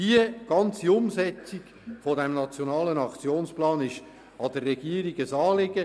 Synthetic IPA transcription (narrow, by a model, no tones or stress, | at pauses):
hiəɡ̥ɑnt͡siʊmsɛt͡siɡ | fodɛmnɑt͡sjonɑːlənɑkt͡sjoːnsplɑːnɪʃ | ɑd̥ərːɛɡ̥iəɾiɡəsɑːlɪɡə